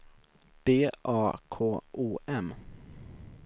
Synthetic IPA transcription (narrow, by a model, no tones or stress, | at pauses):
b̥eːʔɑːkʰoːʔuːʔɛm